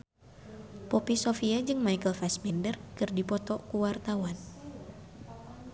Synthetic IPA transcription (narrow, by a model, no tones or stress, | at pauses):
popisofiad͡ʒɨŋmajkəlfɛsmɛndərkɨrdipɔt̪ɔkuwart̪awan